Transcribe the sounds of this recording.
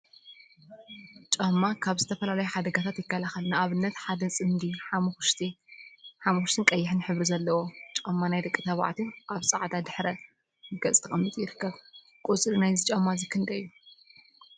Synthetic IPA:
t͡ʃʼɐmːakʰaβzɨt̪ʰɐfɐlalɐjuħad̪ɐɡat̪ʰat̪jɪkːɐlaxɐlnɨaβɨnːɐt̪ħad̪ɐsʼɨnd̪iħʃt̪i | ħamuxuʃt̪ʰɨnkʼɐjːɪħɨnħɨβɾizɐlːɐwot͡ʃʼɐmːanajd̪ɐkʼːɨt̪ʰɐβa̰ʕt̪ʰiʔaβsʼɨʕd̪ad̪ɨħɾɐ | ɨɡɐt͡sʼt̪ʰɐɐmːɨt̪ʼjɪɾɨkʰːɐβ | kʼut͡sʼɾinajzɨt͡ʃʼɐmːazɨkʰɨnd̪ɐjːu

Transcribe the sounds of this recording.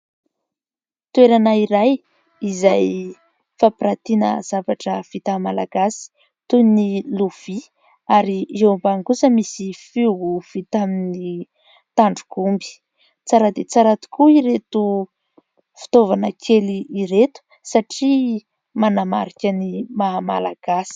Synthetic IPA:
t̪ueɾanaiɾaj | izaj | fapiɾat̪inə̰z̥avaʈ͡ʂəv̥it̪amalaɡ̥asi̥ | t̪uniluv̥i | aɾiʔewmbaŋɡusəmisifiɦuv̥it̪amini | t̪aɳɖ͡ʐukumbi̥ | t͡saɾad̪et͡saɾat̪i̥kuiɾet̪u | fi̥t̪ovanəkʰeliiɾet̪u̥ | saʈ͡ʂi | manamaɾikʲənimamalaɡ̥asi̥

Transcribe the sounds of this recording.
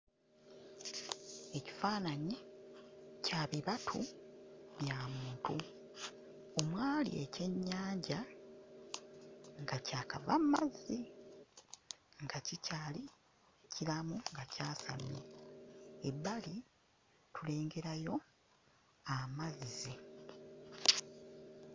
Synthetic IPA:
eci̥faːnaɲi | caːβiβatʰu | βjaːmuːntu | o̞mwaːlḭece̞ɲːaːɲɟa | ŋɡacaːka̰va̰mmazːi | ŋɡacicaːli | ecilamuŋɡacaːsa̰nːḛ | ebːali | tule̞ːŋɡe̞ɾajo̞ | amazizi

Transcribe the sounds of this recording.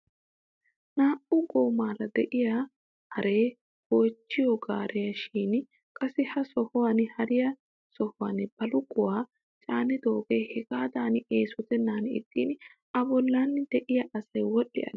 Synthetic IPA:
naːʔʊɡoːmaːlɐd̪ɛʔɪjaː | hɐɾe̞ː | ɡ̥oːt͡ʃːɪjɔɡaːɾɛjɐʃiːn | kʼɐsɪhɐsɔhɔwanhɐɾɪjɐ | sɔhʊwa̰nb̥ɐlʊɡʼʊwaː | t͡ʃʼaːnɪd̪oːɡeːhɛɡaːd̪aːnɪeːsɔt̪ɛnːaːnɪ̰t̪ʼːiːn | ɐbɔlːaːnːd̪̥ɛʔɪjɐʔɐsɐjwɔɗːɪ̰ʔɐ̰

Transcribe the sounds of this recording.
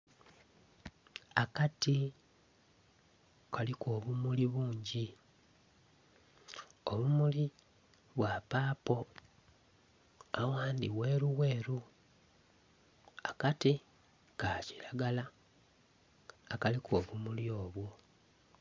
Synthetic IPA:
akati | kalikoːβumuliβuːɲɟi | oβumuli | βwapaːpo̞ | awaːndiwe̞ːɾuweːɾu | akati | kaciɾaɡala | kalikʰo̞ːβumuljo̞ːβwo

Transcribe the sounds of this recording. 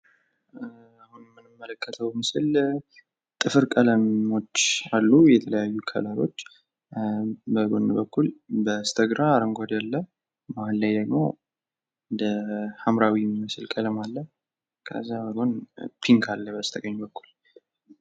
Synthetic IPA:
ahunmːɨnɨmːələkːət̪ʰəwmɨsɨl | t̪ʼɨfɨɾkʼələmo̞t͡ʃːalːujɛt̪ʰələjajːukʰə̰ləlo̞t͡ʃː | bəɡonbəkːulbəst̪ʰəɡɾaːɾəŋɡʷad̪jalːə | malːajd̪əɡmo̞̰ | d̪əhamɾawimɨsɨlkʼələmalːə | kʰə̰zːabəɡo̞npʰiŋkʰalːəbəst̪ʰəɡəɲːbəkːul

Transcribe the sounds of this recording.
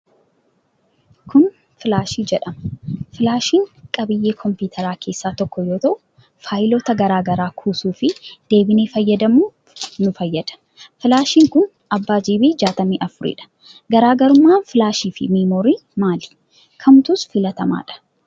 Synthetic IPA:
kʊn | fɪlaːʃiːd͡ʒɛᶑɐmɐfɪlaːʃiːŋkʼɐbɪjːe̞ːkʰɔmpuːt̪ʰɐɾaːkʰe̞ːsːaːt̪ɔkːɔjo̞ːt̪ɐʔʊ | faːjɪloːt̪ɐɡɐɾaːɡɐɾaːkʰuːsuːfɪd̪̥e̞ːbɪne̞ːfɐjːɐd̪ɐmuː | nʊfɐjːɐd̪̥ɐ̥ | fɪlaːʃiːŋkʊn | ɐbːaːd͡ʒiːbiːd͡ʒaːt̪ɐmiːʔɐfʊɾɪ̰ᶑɐ̥ | ɡɐɾaːɡɐɾʊmːaːnfɪlaːʃiːfɪ̰miːmoːɾiːmaːlɪ̥ | kʰɐmt̪ʊsfɪlɐt̪ɐma̰ːᶑɐ̥

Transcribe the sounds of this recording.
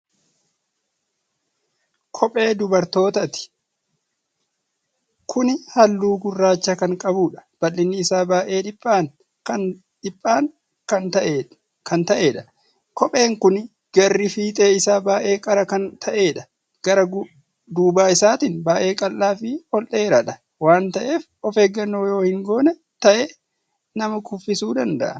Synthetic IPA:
kʰɔpʼe̞ːd̪ʊbɐɾt̪o̞ːt̪ɐt̪ɪ̥ | kʰʊnɪhɐlːuːɡʊrːaːt͡ʃːɐkɐŋkʼɐbuːᶑɐ̥b̥ɐlːɪnːɪːsaːbaːʔe̞ːᶑɪpʼːaːn | ɐ | ᶑɪpʼːaːŋ | kɐn | kʰɐnt̪ɐʔe̞ːᶑɐ̥ | kɔpʼe̞ːŋkʊn | ɡ̥ɐrːɪfiːt̪ʼeːɪsaːbaːʔe̞ːkʼɐɾɐkɐnt̪ʰɐʔe̞ːᶑɐ̥ | ɡ̥ɐɾɐɡ | d̪uːbaːɪsaːt̪inbaːʔe̞ːkʼɐlːaːfɪhɔlʔe̞ːɾɐᶑɐ | waːnt̪ɐʔe̞ːf | ɔfeːɡːɐnːoːjo̞ːhɪŋɡo̞ːnɛ | t̪ɐʔɛ | nɐmɐkʊfːɪsuːd̪ɐnd̪ɐ̰ʔɐ

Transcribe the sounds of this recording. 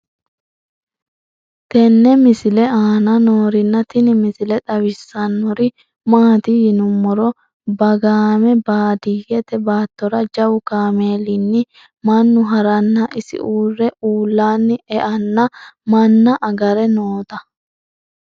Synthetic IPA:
t̪ɛnːɛmɪsɪlɛaːnɐnoːɾɪnːɐt̪ɪnɪmɪsɪlɛt̪ʼɐwɪsːɐnːɔɾɪ | maːt̪ɪjɪnʊmːɔɾɔ | bɐɡaːmɛbaːd̪iːɡɛt̪ɛbaːt̪ːɔɾɐd͡ʒɐwʊkaːmeːlɪnːɪ | mɐnːʊɦɐɾɐnːɐʔɪsɪ̰ʔuːrːɛuːlːaːnːɪɛʔɐnːɐmɐnːɐʔɐɡɐɾɛnoːt̪ɐ

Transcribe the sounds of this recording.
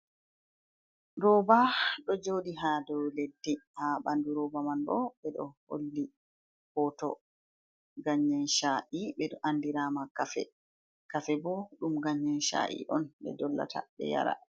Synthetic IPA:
ɾɔbaɗɔd͡ʒoɗiɦadɔwledːihaɓanduɾɔbamanɗɔɓɛɗɔho̰lːi | hɔtɔ̰ | ɡaɲːɛnʃaʔiɓɛɗɔʔandiɾamakafɛ̰ | kafɛbɔɗumɡaɲːɛnʃa̰ʔḭʔɔnɓɛ̰dɔlːa̰tʰa̰ɓɛ̰ja̰ɾa̰

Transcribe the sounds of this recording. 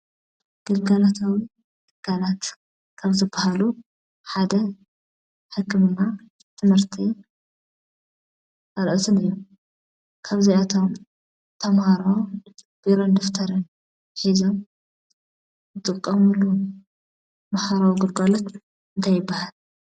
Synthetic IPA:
ɡ̥ɨlɡalat̪ʰawi | ɡ̥ɨɡ̥alat̪ | kʰaβzɨbahalu | ħad̪ɐ | ħɨkːɨmɨnːa | t̪ʰɨmhɨɾt̪ʰi | ʔɐlʔot̪ʰɨnɨjːu | kʰaβziat̪ʰo̞m | t̪ʰɐmhaɾo | b̥iɾond̪oft̪ʰɐɾɨn | ħizom | zɨt̪ʼɨkʼːɐmulu | maħaɾawuɡɨlɡalot̪ | ɨnt̪ʰajːɪbːahal

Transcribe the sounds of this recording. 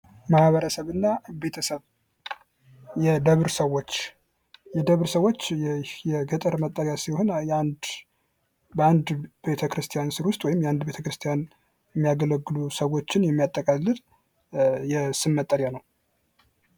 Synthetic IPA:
mahβəɾəsəβɨnːabet̪ʰəsəβ | jɛd̪əβɾsəwːo̞t͡ʃː | jɛd̪əβɾsəwot͡ʃːjjɛɡət̪ʼəɾmət̪ʼːəɾjasiho̞njand̪ | band̪be̞t̪ʰəkɾɨst̪ʰijansɨɾwʊst̪ʼwɔjɪmjɛand̪be̞t̪ʰəkɾɨst̪ʰijan | jɛmːijaɡələɡːɨlusəwo̞t͡ʃːɪnjɛmːijat̪ʼːəkʼalːɨd̪ | jɛsɨnmət̪ʼːəɾjanəw

